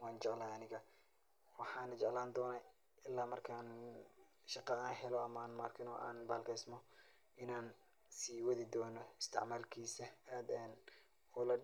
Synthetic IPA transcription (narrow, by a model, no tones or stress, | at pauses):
wɑːnt͡ʃɛʕlaːɐnɪɣɐ | wɑħɑːnɐt͡ʃɛʕlaːnd̪ɔːnɐ | ɪlːaːmɐrkʰaːn | ʃɑqɑaːnɦɛlɔɐmaːnmaːrkʰɪnɔ̰ːʔa̰ːnbaːlkʰɛjsmɔ | ʔɪnaːn | siːwɐðɪd̪ɔːnɔɪst̪ʰɪ̰ʕmaːlkʰiːsɐaːd̪ɛːn | ɔːlɐ